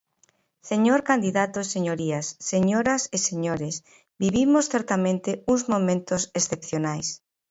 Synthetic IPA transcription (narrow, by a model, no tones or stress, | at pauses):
seɲoɾkand̪iðat̪oeseɲoɾiasːeɲoɾaseseɲoɾes | biβimosθeɾt̪amẽnt̪euŋzmomẽnt̪osesθepθjonajs